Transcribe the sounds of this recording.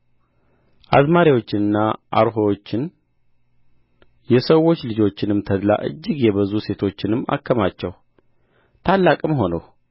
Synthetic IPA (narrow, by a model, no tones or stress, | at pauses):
ʔadmaɾiwo̞t͡ʃːɪnɨnːaʔa̰ɾɦowot͡ʃːɪn | jɛsəwːo̞t͡ʃːlɨd͡ʒo̞t͡ʃːɪnɨmt̪ʰəd̪la̰ʔɨ̰d͡ʒːɪɡjɛβəzuse̞t̪ʰo̞t͡ʃːɪnɨmːa̰kːəmat͡ʃːɛw | t̪ʰalːakʼɨmɦo̞nə̰w